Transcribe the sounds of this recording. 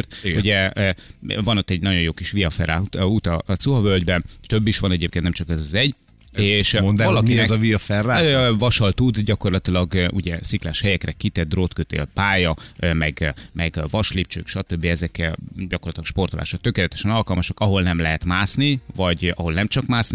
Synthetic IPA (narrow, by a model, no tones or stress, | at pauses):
rt̪uɟɛ | vɒnot̪ːɛɟnɒɟo̞joːkiʃʋiɒfɛ̰raut̪ɒt̪suɦɒvøld̪bɛnt̪øbːiʃʋɒnɛɟeːpkennɛmt͡ʃɒkɛzɒzɛɟ | eːʃvɒlɒiɛzɒviɒfɛrːavɒʃɒlt̪ud̪ɟɒko̞rlɒt̪ilɒɡʔuɟɛsiklaːʃhɛjɛkrɛkit̪ɛd̪rot̪køt̪ḛːlpaːjɒmɛɡmɛɡvɒʃlip̚t͡ʃø̰ːkʃɒt̪øbːiɛzɛkɟɒkorlɒt̪ilɒkʃpo̞rt̪olʔa̰ːʃok̚t̪ø̞keːlɛt̪ɛ̥ʃɛnɒlkɒlmɒʃɒkɒɦo̞lnɛmlɛɦɛt̪maːsnivɒɟɒɦo̞lnɛmt͡ʃɒkmaːsni